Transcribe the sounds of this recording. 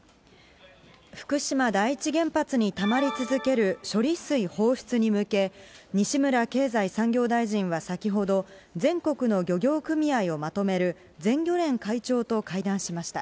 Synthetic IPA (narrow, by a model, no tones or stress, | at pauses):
ɸɯ̟̥kɯ̟ɕimad̪aiːt͡ɕiɡẽ̞mpat͡sɨɲ̟it̪amaɾʲit͡sɨzɨke̞ɾɯ̟ɕo̞ɾʲisɨiho̞ːɸɯ̥t͡sɨɲ̟imɯ̟ke̞ɲ̟iɕimɯ̟ɾake̞ːzaisãŋɡʲo̞ːd̪aiʑĩɰ̃βasakʲiɦo̞d̪o̞ | d͡zẽ̞ŋko̞kɯ̟no̞ɡʲo̞ɡʲo̞ːkɯ̟mʲiaio̞mat̪o̞me̞ɾɯ̟ | d͡zẽ̞ŋɡʲo̞ɾẽ̞ŋkait͡ɕo̞ːt̪o̞kaid̪ãɰ̃ɕimaɕi̥t̪a̰